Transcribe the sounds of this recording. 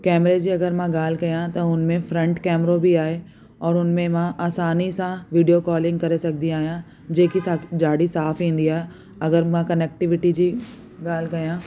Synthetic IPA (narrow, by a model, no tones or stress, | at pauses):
kɛːmɾed͡ʑiːɐɡəɾmãɡaːl̤kɐjãt̪ɐʊnmẽfɾɐ̃ɳʈkɛːmɾobʱiaːɦe | ɔːɾʊnmẽmãʔaːsaːnisãʋiːɖijokɔːlɪ̃ŋɡkɐɾesɐk̚d̪iaːɦijã | d͡ʑeːkisad͡ʒaːɽisaːfɦĩːn̆d̪iaːɦɛ | ɐɡəɾmãkɐnɛːk̚ʈɪʋɪʈid͡ʑiː | ɡaːlkɐjãː